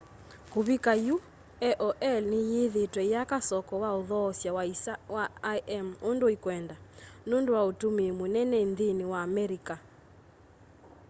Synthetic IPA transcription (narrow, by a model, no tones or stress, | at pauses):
kuβikaju | ɛʔɔʔɛlnijiðetwɛijakasɔkɔwaoðɔːsjawaiwaʔɛmondoikwɛndanondowaotumimonɛnɛinðiniwaːmɛɾika